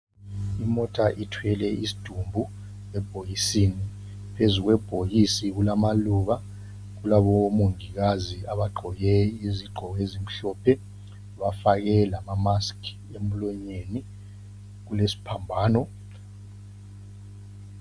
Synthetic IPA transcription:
imɔtʰaʔitʰwɛlɛisi̥d̥ʱumbʱu | ɛb̥ʱojisini | pʰezuɣwɛb̥ʱojisiɣ̬ulamaluːɣa | ɣ̬ulaβomoŋiɣaziaβaɡ͡ǃʱɔjɛiziɡ͡ǃʱɔɣezim̩ɬɔːpʰɛ | βafaɣɛlamamaskʰ | emlɔɲeni | ɣulesi̥pʰambʱaːnɔ

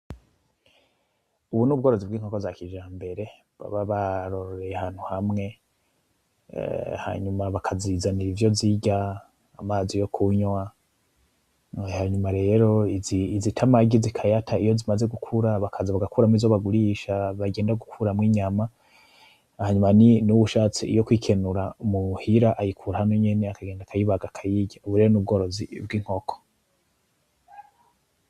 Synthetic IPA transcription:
uβunuβɡo̞ɾozibɡiŋokozakid͡ʒaːmbe̞ɾe̞ | βa̰βaβaɾoɾoɾe̞jehaːn̥huhamŋe̞ | ha̰ːɲumaβakʰazizaniɾivjo̞ziɟaː | maːzijo̞kʰuɲwa | haːɲumaɾe̞ːɾo̞iiizitʰamaɡizikʰajatʰaijo̞zimaze̞ɡukʰuɾaβakʰazaβaɡakuɾamizoβaɡuɾiʃaβaɡe̞ːndaɡukʰuɾamŋiːɲama | haɲumaninuβuʃaːt͡sḭjokwiːkʰe̞nuɾamuhiɾaʔajikʰuɾahano̞ɲe̞ne̞akaɡe̞ːndakʰajiβaɡakʰajiɟauβuɾe̞ːɾonub̚ɡo̞ːɾo̞zibɡiŋ̥ho̞kʰo̥

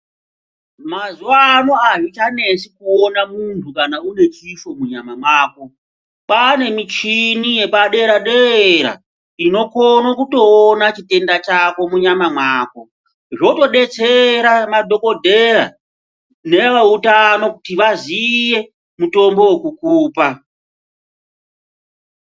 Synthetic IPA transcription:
mazuaːno̞ajit͡ʃane̞sikuonamuntʰukanaune̞t͡ʃiʃo̞muɲamamwaːko̞ | pane̞mit͡ʃinije̞paɗe̞ɾaɗeɾa̰ | ino̞konokuto̞ːnat͡ʃite̞ndat͡ʃako̞muɲamamwaːko̞ | ʐo̞to̞ɗe̞t͡seɾamadʱo̞ko̞dʱe̞ɾa̰ | ne̞ʋautano̞kutiʋazije̞ | muto̞mbo̞wekukuːpa

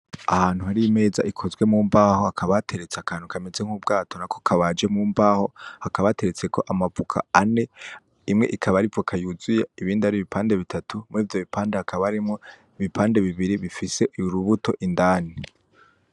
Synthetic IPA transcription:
ahaːn̥huhaɾime̞ːza̰ʔikʰo̞zwe̞muːmbaːho̞akʰaβatʰe̞ɾet͡seakʰaːnhukʰamezeŋ̥uːb̚ɡaːtʰo̞nako̞kʰaβad͡ʒe̞muːmbaːho̞hakaβate̞ɾet͡se̞kʰo̞ʔamavukʰa̰ane̞ | imŋe̞̰ʔikʰaβaɾivuokʰajuzujaiβiːndaɾiβipʰaːnde̞βitʰatʰumŋiːvjo̞βipʰaːndehakʰaβaɾimŋo | iβipʰaːnde̞βiβiɾiβifise̞uɾuβuto̞ʔindaːni

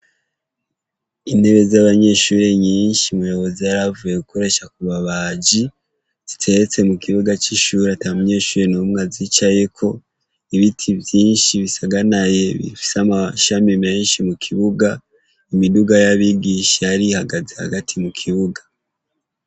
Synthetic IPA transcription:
ine̞βe̞zaβaɲe̞ːʃuːɾe̞ɲiːnʃimujo̞βo̞zijaɾavuje̞kuko̞ɾe̞ʃakuβaβaːɟi | z̥itʰe̞ɾet͡se̞mukiβuɡat͡ʃiʃuːɾeataamuɲe̞ʃuɾe̞numŋazit͡ʃaje̞kʰo̞ | iβitʰivjiːnʃiβisaɡanaje̞βḭfi̥samaʃamime̞ːnʃimukʰiβuɡa | imiduɡajaβiɡiʃeaɾihaɡaze̞ha̰ɡatʰimukʰiβuɡḁ

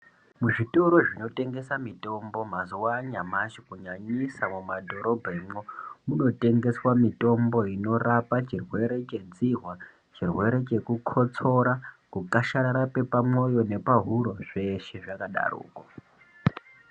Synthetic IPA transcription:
muʐito̞ɾo̞ʐino̞te̞ŋɡe̞samito̞mbo̞maziwaɲamat͡ʃikuɲaɲisamumadʱo̞ɾo̞bʱaemomuno̞te̞ŋɡe̞swamito̞mbo̞ino̞rapat͡ʃirwe̞ɾe̞t͡ʃe̞d͡ziɦwa | t͡ʃirwe̞ɾe̞t͡ʃe̞kukʰo̞t͡so̞ɾakukaʃaɾaɾape̞pamwo̞jo̞ne̞paɦuɾo̞ʐ̥e̞ʃe̞ʐakaɗa̰rṵːko

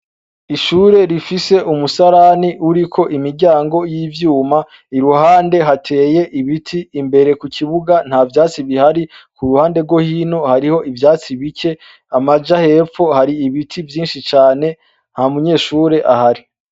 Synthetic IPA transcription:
iʃuːɾe̞ɾifise̞ʔumusaɾaniʔuɾikʰo̞ʔimiɾɟaːŋɡo̞jiːvjuːma | iɾuɦaːnde̞ɦatʰe̞ːje̞ʔiβitʰiːmbe̞ɾe̞kukʰiβuɡan̥havjaːt͡siβihaɾikuɾuhaːnde̞ɾɡwo̞hiːno̞haɾiho̞ʔivjaːt͡siβice̞ | amad͡ʒahe̞ːfo̞haɾiiβitʰivjiːnʃit͡ʃaːne̞ | n̥hamuɲe̞ːʃuːɾe̞ʔahaɾi

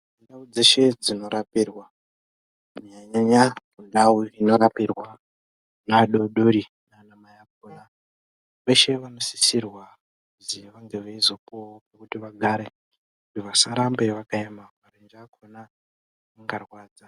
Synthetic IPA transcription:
undaud͡ze̞ʃe̞d͡zino̞ɾapirwa | mɲaɲaɲamundauino̞ɾapirwa | naɗoɗoɾi | nanamajap̚ona | ʋe̞ʃe̞ʋano̞si̥sirwa | ziʋaŋɡe̞ʋeizo̞popekutiʋaɡʱaɾe̞ | kutiʋasaɾambe̞ʋakaemaʋarend͡ʒakʰona | aŋɡarwaːd͡za

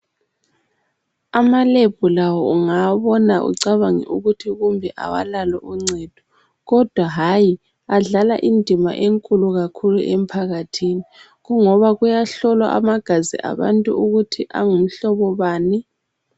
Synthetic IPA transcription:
amaleb̥ʱulawɔuŋaβɔnaʔṵǀaβaŋḭʔuɣutʰiɣumbʱɛʔa̰wa̰lalɛ̰ʔuŋ͡ǀɛd̥ʱɔ̥ | ɣɔd̥ʱwaɦaji | aɮalaʔindʱima̰ʔeŋkʼuluɣakʰuluʔem̩pʰaɣatʰini | ɣuŋɔβaɣujaɬɔlwa̰ʔa̰maɡ̥ʱazḭʔa̰βa̰ntʼṵuɣutʰiʔa̰ŋum̩ɬɔβɔβaːni

